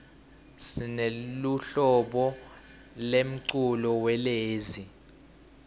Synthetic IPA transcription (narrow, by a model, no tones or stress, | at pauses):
sineluɬɔɓɔ | lem̩ǀulɔwɛleːzi